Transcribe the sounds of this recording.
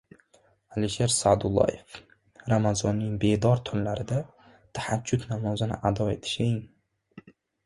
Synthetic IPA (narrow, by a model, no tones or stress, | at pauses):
aliʃeɾsad̪ʊlˠːɒ̰jef | ɾamazɒnːɪŋbe̞d̪ɒɾt̪ʰʊnlaɾɪd̪a | t̪ʰahad͡ʒːʊt̪namɒzɪnɪ̰ʔad̪ɒe̞t̪ʰɪ̥ʃeŋ